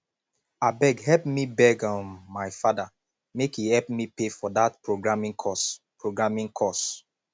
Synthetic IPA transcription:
abɛɡhɛlpmibɛɡãnːaɪfada | mekhihɛlp̚mipefɔdatpɹoɡɹamĩŋkʰɔspɹoɡɹamĩŋkʰɔs

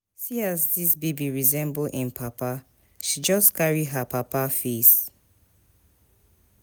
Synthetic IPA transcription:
siasdisbebiɹizɛ̃mboʔĩnpʰapa | ʃid͡ʒɔskaɹiɦapʰapafes

